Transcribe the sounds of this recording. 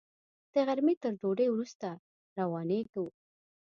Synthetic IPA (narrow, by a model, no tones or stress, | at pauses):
d̪̥əɣaɾmet̪əɾɖoɖejwɾust̪a | ɾawɑnekawu